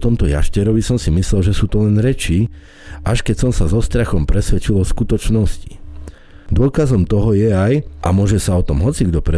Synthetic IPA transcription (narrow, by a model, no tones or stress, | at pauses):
t̪ɔmt̪ɔja̰ʃcɛɾɔʋisɔmsimislɛlʒɛsuːt̪ɔlɛnɾɛt͡ʃi | ʔaʃkɛcsɔmsazɔst̪ɾaxɔmpɾɛsʋɛt͡ʃilɔskut̪ɔt͡ʃnɔsci̥ | d̪ʊɔkazɔmt̪ɔɦɔjɛajʔa̰mʊɔʒɛsaɔt̪ɔmɦɔt͡siɡd̪ɔpɾɛ